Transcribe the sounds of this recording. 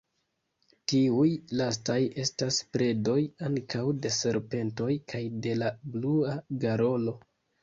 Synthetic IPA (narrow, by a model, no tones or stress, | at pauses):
tiujlastaje̞staspɾe̞do̞jaŋkʰawde̞se̞ɾpe̞nto̞jkʰajde̞labluaɡaɾo̞lo̞